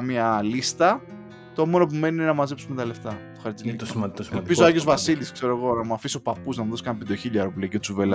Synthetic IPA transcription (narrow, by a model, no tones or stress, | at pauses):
mɲɐlist̪ɐ | t̪oomo̞no̞p̬ume̞ninenɐmɐze̞psumet̪ɐle̞ft̪ɐt̪oxɐɾt͡s̪int̪siɐd̪pizoɐʝeo̞zvɐsiliskse̞ɾoeɣo̞nɐmuɐfisopɐpuznɐmuðoskɐnpid̪oçiʎɐɾopliɐceot͡suvelɐ